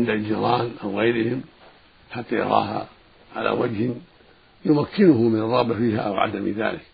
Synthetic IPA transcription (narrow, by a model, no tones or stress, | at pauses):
ɪnd̪ad͡ʒiɾˤɑːnʔawɣajɾɪhɪm | ħat̪ːajɑ̰ɾˤɑ̰ːɦa̰ | ʕa̰la̰ːwad͡ʒhɪn | jʊmakːɪnʊhʊmɪnɑrˤːɑɣbafiːha̰ʔawʕa̰d̪amḭða̰ːlɪk